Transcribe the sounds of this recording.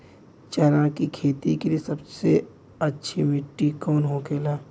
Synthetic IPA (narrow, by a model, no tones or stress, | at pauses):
t͡ʃəɾãkikʰeːt̪ikeliesɐbse | ɐtːʃʰimɪʈːikɔːnɦoːkʰeːlaː